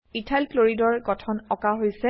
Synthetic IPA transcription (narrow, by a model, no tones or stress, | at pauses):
itʰalploɹidɔɹɡɔtʰɔnɔkaɦojsɛ